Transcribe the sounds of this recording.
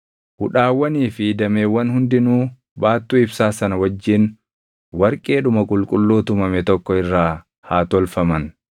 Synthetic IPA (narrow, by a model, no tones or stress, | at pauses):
hʊᶑaːwːɐniːfɪd̪ɐmeːwːɐnhʊnd̪ɪnuː | baːt̪ːuːɪbsaːsɐnɐwɐd͡ʒːɪn | wɐɾkʼeːᶑʊmɐkʼʊlkʼʊlːuːt̪ʊmɐmɛt̪ɔkːɔɪrːaː | haːt̪ɔlfɐmɐn